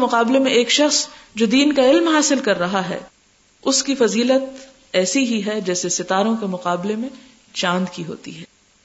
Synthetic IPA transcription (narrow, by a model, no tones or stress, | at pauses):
mʊqaːblemẽeːkʃɐxsd͡ʒoːd̪iːnkaɪlmɦaːsɪlkɐɾːɐɦaɦɛ̰ː | ʊskifɐziːlət̪ | ɛːsiɦiɦɛd͡ʒɛːsesɪt̪aːɾõkemʊqaːblemẽ | t͡ʃãːnd̪kiɦo̰ːt̪ḭɦɛː